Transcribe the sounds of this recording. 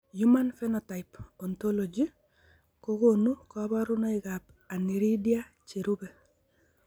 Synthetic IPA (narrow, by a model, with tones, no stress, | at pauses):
ju˦ma˦nfɛ˦nɔ˨ta˨ɪpɔ˨nt̪o˦lo˨d͡ʒi˦ | ko˦ɡo˦˨nu˦kɔ˦ba˦ɾʊ˦no˦ɪ˨ɡa˨p | a˨ni˨ɾi˦dja˦ | t͡ʃi˨ɾu˦be˨